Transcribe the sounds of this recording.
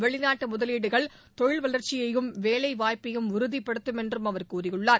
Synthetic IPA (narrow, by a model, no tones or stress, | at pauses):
ʋɛɭɪnaːʈːɯmʊðɐliːɽɯɣɐɭ | t̪ɔɻɪɭʋɐlɐɾt͡ʃːɪjɐjɯmʋeːlɐɪʋaːjpɐjɯmʊɾɯðipːɐɽɯt̪ːɯmɛndrɯmɐʋɐɾkuːrɪjɯɭːaːɾ